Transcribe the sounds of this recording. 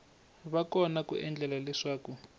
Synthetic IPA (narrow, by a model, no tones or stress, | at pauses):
βakɔnakṵʔɛnd͡ɮɛlalɛʂaːku